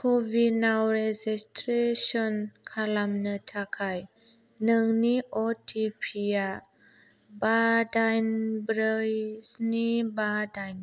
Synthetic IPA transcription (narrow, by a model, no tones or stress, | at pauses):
kʰɔvinawɾɛd͡ʒistɾeʃɔnkʰalamnətʰakʰaj | nəŋniʔɔtʰipʰia | badajnbɾəjsnibadajn